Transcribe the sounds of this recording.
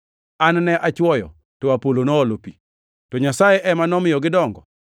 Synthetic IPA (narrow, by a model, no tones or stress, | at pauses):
annɛʔat͡ʃwɔjɔ̰ | tɔapolonɔːlopi | tɔɲasajeʔɛmanɔmɪjɔɡɪdɔŋɡɔ